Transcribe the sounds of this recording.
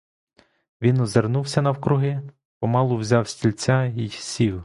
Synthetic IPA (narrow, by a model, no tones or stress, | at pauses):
ʋʲinɔzernuwsʲɐnɐwkɾʊɦɪ | pɔmɑlˠʊwzʲɑwsʲtʲilʲt͡sʲajijsʲiw